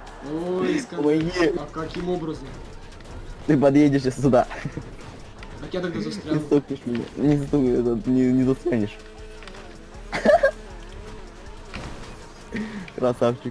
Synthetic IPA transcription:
ojskɐmɐjʲikɐkʲimo̞bɾəzəm | t̪ɨp̬ɐd̪jedʲɪʂjʲasʲt̪ʊd̪a | ɐt̪jat̪ɐɡ̚d̪azɐst̪ɾʲanɪst̪ok̚nʲɪʂmʲɪnʲa̰nʲɪst̪oɛt̪ənʲɪnʲɪzɐst̪ɾʲanʲɪʂ | kɾasaft͡ɕɪk

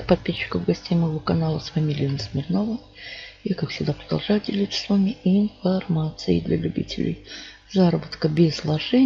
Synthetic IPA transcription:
pɐt̪̚pʲisʲɕːɪ̥kəvɡɐsʲtʲejməjvokɐnalˠəsfɐmʲilʲɪjənəsmʲɪrnovə | jakakfsʲɪɡd̪apɾəd̪ɐlˠʐajʊdʲɪlʲit̪sə̥svamʲɪɪnfɐrmat̪sɨjɪ̰d̪lʲɐ̰lʲʉbʲḭtʲɪlʲɪ̰j | zaɾəbət̪kəbʲɪzlˠɐʐɛ

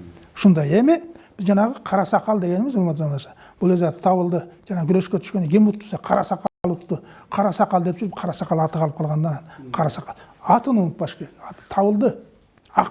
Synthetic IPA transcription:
ʃʊnd̪ɑjemɪb̥ɪzʒɑnɑʁəqʰɑɾɑsɑqɑlˠd̪e̞ɡʲenɪmɪzolmɑt̪zɑnɑʃɑ | b̥ʊlˠøzɑt̪ə̥t̪ʰɑwəlˠd̪əʒɑnɑɡʲʏɾe̞ʃkʲet̪ʰʏ̥ʃkʲeneɡʲemut̪t̪ːu̥sɑqʰɑɾɑsɑqɑlˠʊt̪ːəqʰɑɾɑsɑqɑlˠd̪epʒʏɾpqʰɑɾɑsɑqɑlˠɑt̪əʁɑlˠəp̚qʰɑlˠʁɑnd̪ɑnɑnqʰɑɾɑsɑqɑlˠɑt̪ənwonət̪bɑʃkʲeɑt̪ə̥t̪ʰɑwəlˠd̪ə | ɑ

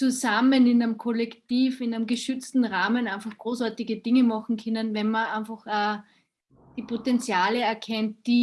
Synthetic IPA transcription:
t͡suzamənɪnanmkʰɔlɛktiːfɪnanmɡəʃʏt͡stn̩ʁaːmənaɪnfɑχɡ̥ʁoːsaɐtɪɡəd̥ɪŋəmɑχŋ̩kʰɛnənvɛnmɐaɪnfɑχaː | d̥iːpʰotɛnt͡sjaːləɛɐkʰɛnt̚d̥iː

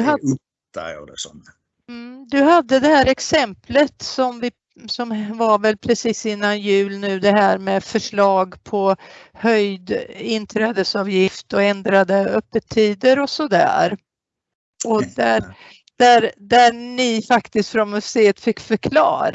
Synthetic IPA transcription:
ɦa | t̪a̰lɪ̰sɔ̰m | md̪ɵɦad̪ːəd̪ɛhæːɾɛksɛmplət̪sɔmvɪ | sɔmvaɾvɛlpʰɾɛsiːsɪnːanjʉ̟ːlnʉ̟ːd̪ɛɦæːɾmɛfœʂɭɑːɡpʰɔhœjd̪ɪnt̪ʰɾɛːd̪əsɑːvjɪft̪ɔɛnd̪ɾad̪əœpːət̪ʰːiːd̪əɾɔsɔd̪æ̰ːɾ | ɔd̪æ | d̪̥æɾd̪ænɪfakt̪ɪst̪fɾɔnmɵsseːət̪fɪkːfœɾkʰlɑ̰ːɾ

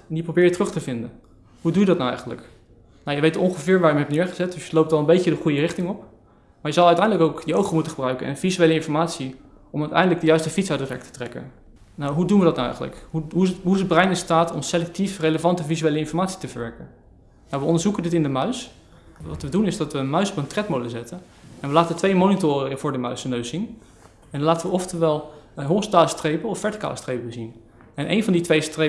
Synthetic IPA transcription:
ndiprowbɪːɹjətrɵχtəvɪndə̰n | ɦudujədɑtnawɛ̰jχəndlə̰k | nawjəʋejtɔŋχəvɪːɹʋaːɹjəmɦɛp̚nɪːɹχəzɛt̚d̥ɵsjəlowp̚tɑlˠəmbejcədəχujərɪχtɪŋɔp̚ | maːɹjəzɑlˠœɥtɛjndələkowkdəowχomutənχəbrœɥkənɛ̰nvizyejləɪnfɔɹmaːtsi | ɔmœtɛ̰jndələɡdəjœɥstəfitsatdərɛ̰k̚tʰə̥trɛkə̰n | nawɦudunʋədɑtnawɛ̰jχənlə̰kɦuɦuɦuɪsəd̚brɛjnɪnstaːtɔmselɛk̚tifreləvɑntəvizyejləɪnfɔɹmaːtsi̥təvəɹʋɛɹkən | nawʋəɔndəɹzukəndɪtɪndəmœɥs | ʋɑtʋədunɪzdɑtʋəənmœɥsɔ̥pəntrɛtmodlzɛtən | ɛnʋəlaːtətʋejmownitʊːriŋəvʊːɹdəmœɥsənøɥsin | ɛnlaːtəʋəɔftəʋɛlˠɦostaːləstrejpəɔfɛɹti̥ka̰ːləstrejpəbəzin | ɛnʔḛjnvɑnditʋejstre

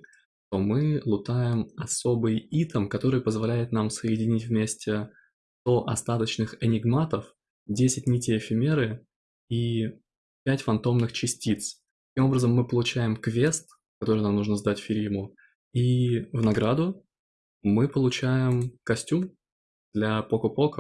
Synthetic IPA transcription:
ʂt̪o̞mɨlˠʊt̪ajɪmɐso̞bɨjit̪əmkɐt̪o̞ɾɨjpəzvɐlʲæjɪt̪namsəɪdʲɪnʲitʲvʲmʲesʲtʲɪ | t̪o̞ʔɐst̪at̪ət͡ɕnɨxɛnʲɪɡmat̪əf | dʲesʲɪt̚ʲnʲitʲɪjəːfʲɪmʲeɾɨ | i | pʲætʲfɐnt̪o̞mnɨxt͡ɕɪsʲtʲit̪s | t̪ɐ̥kʲimo̞bɾəzəmːɨpəlˠʊt͡ɕæjɪmkvʲe̞st̪ | kɐt̪o̞ɾɨjnamnuʐnəzd̪atʲfʲɪɾʲimʊ | ivnɐɡɾad̪ʊ | mɨpəlˠʊt͡ɕæjɪmkɐsʲtʲum | d̪̥lʲɐpokʊpo̞kə

